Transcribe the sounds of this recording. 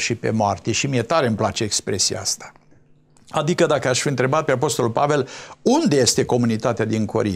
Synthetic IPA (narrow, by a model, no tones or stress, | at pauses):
ʃipe̞̰moart̪eʃimije̞t̪aɾe̞ɨmplat͡ʃe̞ekspɾe̞sija̰a̰st̪ḁ | ad̪ikəd̪akəaʃfiɨnt̪ɾe̞bat̪̚pe̞ap̬o̞st̪o̞lulpave̞lund̪e̞je̞st̪e̞ko̞munit̪at̪ead̪iŋkʰo̞̰ɾḭ